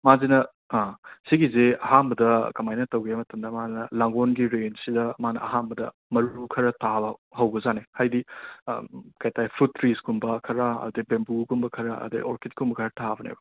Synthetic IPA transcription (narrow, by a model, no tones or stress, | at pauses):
mazinɐ | asiɡizeɐɦambɐdɐkɐmajnɐtɐwɡamɐtɐmdɐmanɐlaŋɡonɡiɾensidɐmanɐ̰ʔɐɦambɐdɐ | mɐɾuukʰɐɾɐtʰabɐhɐwbɐzanehajdi | kajtajpʰɾutːɾisɡumbɐkʰɐɾɐɐ̰udebembuɡumbɐkʰɐɾɐɐ̰dḛʔoɾket̚kumbɐkʰɐɾɐtʰabɐnḛjbɐ